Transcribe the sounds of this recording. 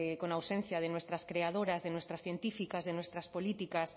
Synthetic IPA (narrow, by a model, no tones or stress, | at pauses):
konawsẽn̟θjaðenwest̪ɾɐskɾeaðoɾazðenwest̪ɾɐsθjent̪ifikazðenwest̪ɾaspolit̪ikas